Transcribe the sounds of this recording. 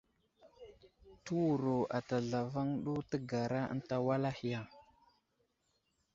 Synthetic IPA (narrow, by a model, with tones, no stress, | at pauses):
tu˦wu˨ɾo˨a˨ta˨ɮa˨va˦ŋɗu˦tə˦ɡa˨ɾa˦ə̰˦n˦ta˦wa˦la˦hi˨ja˦˨